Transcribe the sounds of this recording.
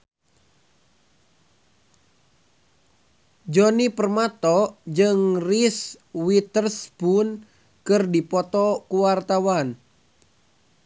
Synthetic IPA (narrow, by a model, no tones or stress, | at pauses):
d͡ʒɔnipərmat̪ɔd͡ʒɨŋris | wit̪ərspun | kɨrdipɔt̪ɔkuwart̪awan